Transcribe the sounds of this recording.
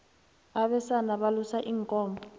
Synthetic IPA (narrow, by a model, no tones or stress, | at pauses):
aɓɛsanaɓalusaʔiːŋkʼɔːmbʱɔ